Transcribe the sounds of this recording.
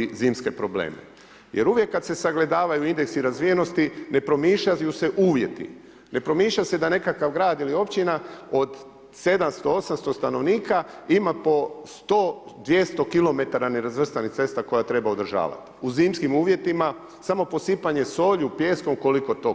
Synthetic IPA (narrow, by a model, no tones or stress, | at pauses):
ziːmske̞pɾo̞blḛːmḛ | je̞̰ɾuʋje̞kːad̪se̞saɡle̞d̪aːʋajuind̪eksiɾazʋije̞no̞st̪ine̞pɾo̞miːʃajuse̞ʔuːʋjet̪ḭ | ne̞pɾo̞miːʃʎase̞d̪ane̞kakaʋɡɾaːd̪ilio̞pt͡ɕinaod̪ | se̞d̪amst̪oo̞samst̪o̞st̪ano̞ʋniːkaimapo̞st̪o | d̪ʋje̞st̪o̞kilˠo̞me̞t̪aɾaneɾazʋr̩st̪anit̪e̞st̪ako̞jat̪ɾe̞baod̪ɾrʒa̰ːʋa̰t̪i̥uziːmskimuːʋje̞t̪ima | samo̞po̞sipaɲe̞so̞ːʎupje̞ːsko̞mko̞liko̞t̪o̞